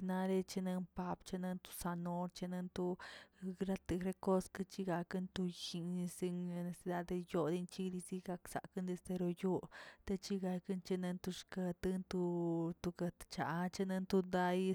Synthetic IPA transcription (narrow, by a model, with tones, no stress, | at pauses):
na˧ɾe˧t͡ʃi˧na˧npa˧bt͡ʃe˧na˧nt̪u̥˧sa˧no˧ɾt͡ʃe˧na˧nt̪u˧ | ɾa˦t̪ɨ˧ɾe˧ko˦skɨ˧t͡ʃi˧ɡa˧kɨ˦nt̪u˧ji˧i˧si˧ŋe˧ne˧si˧d̪a˧d̪e˧jo˧d̪i˧nt͡ʃi˦d̪i˧zi˧ɡa˧ksa̰˨kɨ˦nd̪e˧st̪e˧ɾo˧jo˦t̪e˧t͡ʃi˦ɡa˧kɨ˦nt͡ʃe˧ne˧nt̪u˧ʂka˧t̪ɨ˦˧nt̪u˧t̪u˧ɡa˧t̪t͡ʃa˨˧t͡ʃe˧ne˧nt̪u˧d̪a˧j